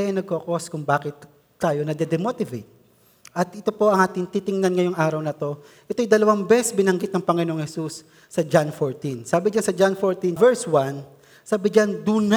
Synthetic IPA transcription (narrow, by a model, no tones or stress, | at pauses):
ɛʔɛnɐɡ̚kokoskʊŋbaːkɪt̪ː | aːjo̞nɐd̪ɛd̪ɛmot̪ɪvejt̪̚ | ʔɐt̪ʔɛt̪o̞po̞ʔɐŋʔaːt̪ɪŋt̪it̪ɪŋnanŋɐjoŋʔaːɾɐwnɐt̪o̞ | ʔɛt̪ojd̪ɐlɐwaŋbɛsbɪnɐŋɡɪt̪nɐŋpɐŋɪnooŋhɛsusː | ɐd͡ʒanfoɹt̪insaːbɪd͡ʒansɐd͡ʒanfoɹt̪invɛɹswan | saːbɪd͡ʒand̪uːn